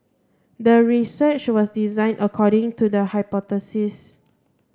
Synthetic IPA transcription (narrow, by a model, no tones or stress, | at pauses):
dəɹisət͡ʃwɔsdizãj̃ndʔəkʰɔɾɪ̃ŋtudəhaɪpɔt̪əsis